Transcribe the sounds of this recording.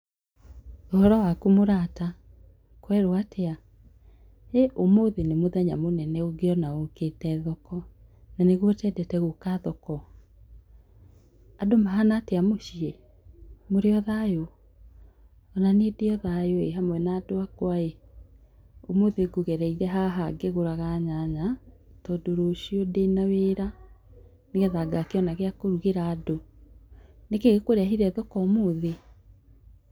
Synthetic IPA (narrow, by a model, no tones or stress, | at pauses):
ohɔɾɔwakumoɾata | kwɛɾoatʰea | eʔomoðenemoðɛɲamonɛnɛoɡeɔnaoketɛðɔkɔ | naneɣwɔtɛdɛtɛɣukaðɔkɔ | adomaɦanaːteamoɕie | moɾeɔðajo | ɔnanedeɔðajoeɦamwɛnaːdoakwae | omoðeɡoɣɛɾɛiɾɛɦaɦaɡeɣoɾaɣaɲaɲatɔdoɾoɕiodenaweːɾa | neɣɛðaɡakeɔnaɣeakoɾuɣeɾaːdo | nekeɣekoɾeaɦiɾɛðɔkɔmoðe